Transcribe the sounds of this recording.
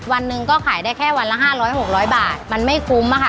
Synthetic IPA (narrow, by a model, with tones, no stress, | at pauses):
wa˧nːɯ˧ŋkɔː˥˩kʰaː˨˩˦jdaː˥˩jkʰɛː˥˩wa˧nla˦˥˩ɦaː˥˩ɾɔː˦˥jho˨˩k̚ɾɔː˦˥jbaː˨˩t̪̚ma˧nma˥˩jkʰu˦mʔa˧˥kʰa˥˩